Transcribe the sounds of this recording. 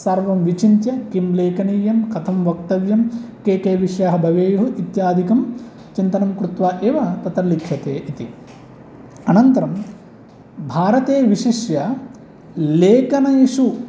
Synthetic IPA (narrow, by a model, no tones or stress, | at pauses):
sɐɾʋɐmʋit͡ʃint̪jɐkimleːkɐniːjɐmkɐt̪ʰɐmʋɐk̚t̪ɐʋjɐmkeːkeːʋiʂɐjaːɦɐbʱɐʋeːjuɦɐʔit̪jaːd̪ʱikɐm | t͡ʃint̪ɐnɐmkɾut̪ʋaːʔeːʋɐt̪ɐt̪ɐɾlikʰɕjɐt̪eːʔit̪i | ɐnɐnt̪ɐɾɐm | bʱaːɾɐt̪eːʋiʂiʃjɐ | leːkɐnɐjiʂu